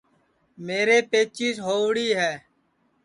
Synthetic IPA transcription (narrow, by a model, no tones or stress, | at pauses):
meːɾeːpeːt͡ʃiːsɦoːʋɽiːɦɛː